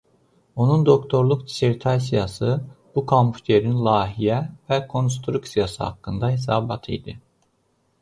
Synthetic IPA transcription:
o̞nund̪o̞kt̪ʰo̞ɾlˠuk̚d̪i̥seɾt̪ʰaɾs̬ijasɯb̥ukʰompʰu̥t̪ʰeɾinlˠaːɦijɛvɛkʰo̞nst̪ʰɾuksijasɯha̰kːɯnd̪ɑɦesaːbat̪ʰḭjd̪ɯ

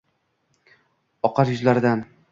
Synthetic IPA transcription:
ɒqʰɑɾjʊzlaɾɪd̪an

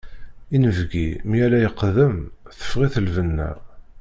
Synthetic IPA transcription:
inəvɡḭmijælæjəqːðəmθə̥fʁiθəlvənːæ̰

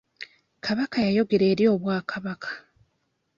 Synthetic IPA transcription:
kʰaβakajajo̞ɡe̞ɾe̞ːɾjo̞ːβwaːkʰaβakʰḁ

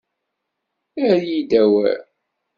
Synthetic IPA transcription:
æɾjid̪æwæ̰

